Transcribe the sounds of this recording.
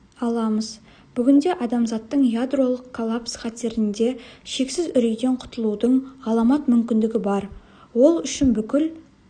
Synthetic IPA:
ɑlˠɑməz | b̥ʏɡʲɪnd̪e̞ʔɑd̪ɑmzɑt̪ːəɴjad̪ro̞lˠəqkʰːolˠapsχɑt̪e̞ɾɪnd̪e̞ʃe̞ksɪzʏɾejd̪e̞ɴqʰʊ̥t̪əlˠud̪əɴɑlˠɑmɑt̪mʏmkʲɪnd̪ɪɡʲɪbɑɾ | wo̞lˠʏʃɪnbʏkʲɪl

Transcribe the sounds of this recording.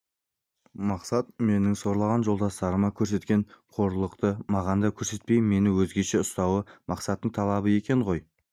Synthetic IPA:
mɑqsɑt̪̚me̞nɪŋso̞ɾlˠɑʁɑnʒo̞lˠd̪ɑst̪ɑɾəmɑkʲʰɵɾs̬e̞t̪kʲe̞ɴqʰo̞ɾlˠəqt̪əmɑʁɑnd̪ɑkʲʰɵɾse̞t̪̚pe̞jmːe̞nɪwɵzɡʲe̞ʃe̞ʊst̪ɑwəmɑqsɑt̪ːəɴt̪ʰɑlˠɑbəe̞kʲe̞ɴʁo̞j

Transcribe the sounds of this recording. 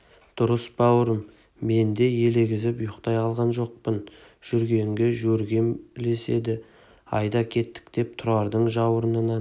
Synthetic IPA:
d̪̥ʊɾəsbɑwəɾəmː | e̞nd̪e̞je̞le̞ɡʲɪzɪpʊjʊqt̪ɑjqʰɑlˠʁɑnʒo̞q̚pən | ʒ̥ʏɾɡʲe̞ŋɡʲe̞ʒɵɾɡʲe̞mle̞se̞̰d̪ɪ | ɑ̰jd̪ɑkʲʰe̞t̪ːɪ̥k̚t̪e̞p̚t̪ʰʊɾɑɾd̪əɴʒɑwəɾənənɑ

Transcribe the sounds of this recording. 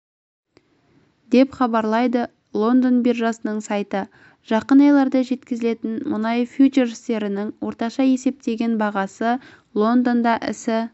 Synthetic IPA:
d̪e̞pχɑbɑɾlˠɑjd̪ə | lˠo̞nd̪o̞nbirʒɑsənəɴsɑjt̪ə | ʒ̥ɑqənɑjlˠɑɾd̪ɑʒe̞t̪kʲɪzɪle̞t̪ɪnmʊnɑjfʲjut͡ʃeɾst̪e̞ɾɪnɪŋwo̞ɾt̪ɑʃɑje̞se̞p̚t̪e̞ɡʲe̞nbɑʁɑsə | lˠo̞nd̪o̞nd̪ɑʔɪ̰sɪ

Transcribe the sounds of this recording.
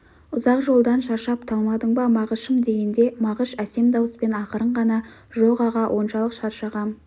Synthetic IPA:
ʊzɑqʒo̞lˠd̪ɑnʃɑɾʃɑp̚t̪ʰɑlˠmɑd̪əɴbɑmɑʁəʃəmd̪e̞ɡʲend̪e̞mɑʁəʃæse̞md̪ɑwəspe̞nɑqəɾəɴʁɑnɑʒoqɑʁɑwʔo̞nʃɑlˠəqʃɑɾʃɑʁɑ

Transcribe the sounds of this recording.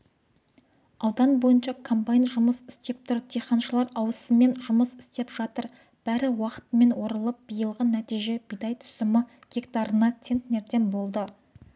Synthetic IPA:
ɑwd̪ɑnbo̞jənʃɑkʰompajnʒʊməsɪst̪e̞p̚t̪ʰʊɾd̪ʰejχɑnʃəlˠɑɾɑwəsəme̞nʒʊməsɪst̪e̞pʒ̥ɑt̪əɾ | b̥æɾɪwɑqə̥t̪əme̞nwo̞ɾəlˠəp̚b̥ijəlˠʁənæt̪ijʒe̞b̥ijd̪ɑjt̪ʰʏ̥sɪmɪ | ɡ̥ʲe̞kt̪ɑɾənɑt̪ʰʲe̞nt̪ne̞ɾt̪e̞nbo̞lˠd̪ə

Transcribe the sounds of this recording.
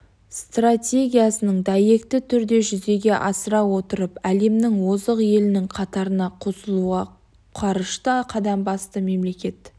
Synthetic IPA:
st̪ratʲe̞ɡʲijasənəɴd̪ɑje̞kt̪ɪt̪ʰʏɾd̪e̞ʒʏze̞ɡʲe̞ʔɑsəɾɑwo̞t̪əɾəpæle̞mnɪŋwozəqje̞lɪnɪŋqʰɑt̪ɑɾənɑqʰosəlˠuʁɑ | qʰɑɾəʃt̪ɑqʰɑd̪ɑmbɑst̪əme̞mle̞kʲe̞t̪

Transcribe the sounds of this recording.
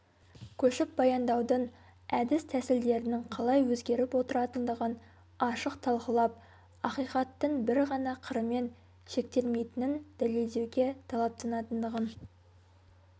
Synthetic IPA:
kʲʰɵʃɪp̚bɑjɑnd̪ɑwd̪ən | æd̪ɪst̪ʰæsɪld̪e̞ɾɪnɪŋqʰɑlˠɑjwɵzɡʲe̞ɾɪpwo̞t̪əɾɑt̪ənd̪əʁən | ɑʃəqt̪ʰɑlˠqəlˠɑp̚ | ɑqijqɑt̪ːəɴbɪɾʁɑnɑqʰəɾəme̞n | ʃe̞k̚t̪e̞lme̞jt̪ɪnɪnd̪̥æle̞ld̪e̞wɡʲe̞t̪ʰɑlˠɑp̚t̪ʰɑnɑt̪ənd̪əʁən

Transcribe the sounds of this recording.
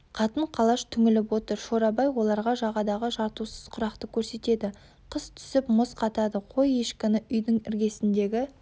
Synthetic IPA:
qʰɑt̪əɴqʰɑlˠɑʃt̪ʰʏŋɪlɪp̬wo̞t̪əɾʃo̞ɾɑbɑjwo̞lˠɑɾʁɑʒɑʁɑd̪ɑʁəʒɑɾt̪usəz̥qʰʊɾɑqt̪əkʲʰɵɾse̞t̪e̞d̪ɪ | qʰəst̪ʰʏ̥sɪpmʊsqʰɑt̪ɑd̪əqʰo̞jeʃkʲɪnɪʔʏjd̪ɪŋɪɾɡʲe̞sɪnd̪e̞ɡʲɪ

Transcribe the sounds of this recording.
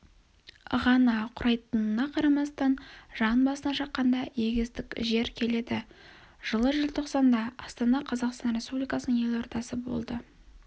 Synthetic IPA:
ə̰ʁɑnɑqʰʊɾʔɑjt̪ənənɑqʰɑɾɑmɑst̪ɑnʒɑnbɑsənɑʃɑtqːɑnd̪ɑje̞ɡʲɪzd̪ɪkʲʒe̞ɾkʲʰe̞le̞d̪ɪ | ʒ̥əlˠəʒɪlʲˠt̪ʰo̞qsɑnd̪ɑɑst̪ɑnɑqʰɑzɑqst̪ɑnɾʲe̞spublijkɑsənəɴe̞lʲo̞ɾt̪ɑsəbo̞̰lˠd̪ə

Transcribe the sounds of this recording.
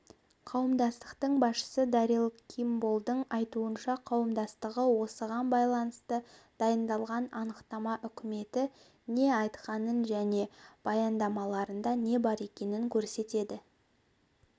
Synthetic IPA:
qʰɑwəmd̪ɑst̪ə̥qt̪əɴbɑsʃə̥səd̪ɑɾilˠkʲʰimbolˠd̪əɴɑjt̪uənʃɑqʰɑwəmd̪ɑst̪əʁəwo̞səʁɑnbɑjlˠɑnəst̪əd̪̥ɑjənd̪ɑlˠʁɑnɑnəqt̪ɑmɑʔʏkʲɪme̞t̪ɪ | ne̞ɑjt̪qɑnənʒæne̞b̥ɑjɑnd̪ɑmɑlˠɑɾənd̪ɑne̞bɑɾe̞kʲe̞nɪŋkʲʰɵɾse̞t̪e̞d̪ɪ

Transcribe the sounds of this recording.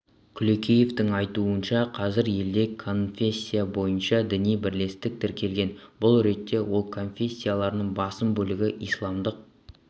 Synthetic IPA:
kʲʰʏlekʲʰeje̞ft̪ɪŋɑjt̪uənʃɑqʰɑzɪɾje̞ld̪e̞kʰo̞nfʲe̞sʲːijabo̞jənʃɑd̪ɪnijbɪɾle̞st̪ɪk̚t̪ʰɪɾkʲe̞lɡʲe̞nbʊlˠɾe̞t̪ːe̞wo̞lˠkʰo̞nfʲe̞sʲːijalˠɑɾnəɴbɑsəmbɵlɪɡʲɪʔijslˠɑmd̪əq̚

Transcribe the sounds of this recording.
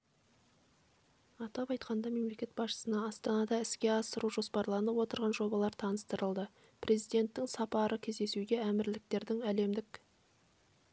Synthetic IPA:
ɑt̪ɑpɑjt̪qɑnd̪ɑme̞mle̞kʲe̞t̪bɑsʃə̥sənɑːst̪ɑnɑd̪ɑɪskʲe̞ɑsəɾuʒo̞spɑɾlˠɑnəwo̞t̪əɾʁɑnʒo̞bɑlˠɑɾt̪ʰɑnəst̪əɾəlˠd̪ə | pʰɾʔe̞zijd̪e̞nt̪ːɪŋsɑpɑɾəkʲʰe̞zd̪e̞suɡʲe̞æmɪɾlɪk̚t̪e̞ɾd̪ɪŋæle̞md̪ɪk

